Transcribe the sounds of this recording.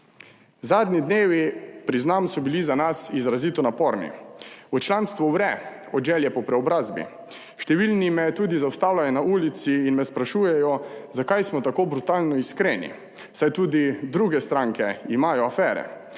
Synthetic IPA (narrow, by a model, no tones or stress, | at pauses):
zaːd̪nid̪neːʋipɾiznamsɔbilizanasizɾaziːt̪ɔnapɔɾnḭut͡ʃlaːnst̪ʋɔwɾɛ | ɔd̪ʒɛljɛpɔpɾɛɔbɾaːzbḭ | ʃt̪ɛʋilnimɛt̪uːd̪izawst̪aːwlajɔnauːlit̪siːnmɛspɾaʃuːjɛjɔzakajsmɔt̪akoːbɾut̪aːlnɔiskɾenḭ | sajt̪uːd̪id̪ɾuɡɛst̪ɾãŋkɛimaːjɔafɛːɾɛ̰